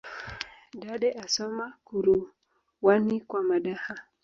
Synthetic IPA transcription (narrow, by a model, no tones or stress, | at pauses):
ɗaɗɛʔasɔmakuɾu | wanikwamaɗaha